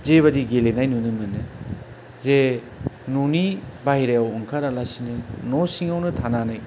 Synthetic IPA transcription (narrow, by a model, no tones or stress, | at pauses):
zeβɐdiɡelenajnunɯmɯnɯ | ze | nunibajɾajawuŋkʰaɾalasinɯnosiŋawnɯtʰananaj